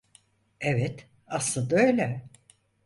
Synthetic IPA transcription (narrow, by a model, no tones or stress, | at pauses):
evɛt̪ | aslˠad̪øjlʲɛ